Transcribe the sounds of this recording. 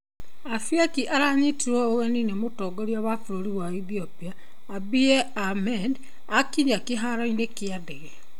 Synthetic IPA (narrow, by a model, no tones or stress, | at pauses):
afiakiʔaɾaɲitiɾɔoɣɛninemotɔːɡɔɾiaβafoɾoɾiwaiθiɔpiaː | biɛ | amɛd | akiɾiakeɦaɾɔinekeadɛɣɛ